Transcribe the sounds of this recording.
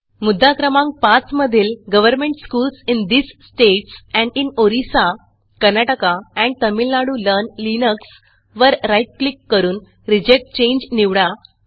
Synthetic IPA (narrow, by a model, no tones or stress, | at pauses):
mud̪ʱːakɾəmãŋk̚pat͡sməd̪ʱiːlɡəʋəɾmẽɳʈskuːlsind̪isːʈeʈsɛ̃ɳɖinoɾisa | kəɾnaʈəkaɛ̃ɳɖ̚t̪əmilnaɽuːlənlinəks | ʋəɾɾajʈ̚klikːəɾuːn | ɾid͡ʑek̚ʈ̚t͡ɕẽɲd͡ʑniʋɽa